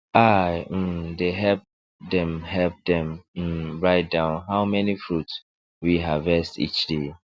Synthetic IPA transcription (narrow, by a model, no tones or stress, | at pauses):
aɪm̩deɦɛlp̚ | dɛ̃mɦɛlp̚dɛ̃m̩ɹaɪt̚dãʊ̃nɦaʊmɛnifɹuts | wiɦavɛstḭt͡ʃde